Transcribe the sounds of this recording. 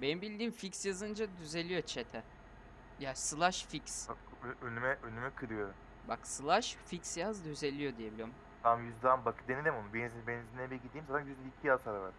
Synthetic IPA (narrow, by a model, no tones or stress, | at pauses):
benimbilʲd̪iːmficsjazɯnd͡ʒad̪yze̞lʲijo̞t͡ʃʰet̪ʰɛ | jaːsɯlˠaʃfics | ønymɛʔønymɛkʰɯɾɯjoɾum | baksɯlˠaʃficsjazd̪yze̞lʲijo̞d̪ijebilʲiom | t̪ʰamjyzd̪anbakʰɯd̪enilʲimbunubenzbenzinɛbiɡid̪iːmat̪ʰanjyzd̪ɛicʰijazt̪ʰaɾavaɾ